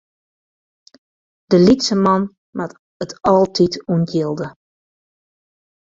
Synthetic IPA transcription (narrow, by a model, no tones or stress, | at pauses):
d̥əlitsəmɑn | mat | ətɔlˠtʰitunɡjɪlˠdə